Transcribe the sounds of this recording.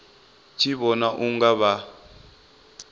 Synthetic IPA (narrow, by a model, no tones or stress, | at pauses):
t͡ʃʰiβɔnaʔuŋɡaβa